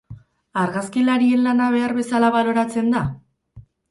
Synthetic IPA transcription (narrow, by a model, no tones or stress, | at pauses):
aɾɣaskilaɾie̞nlanaβ̞e̞aɾβe̞salaβalo̞ɾat͡se̞nd̪a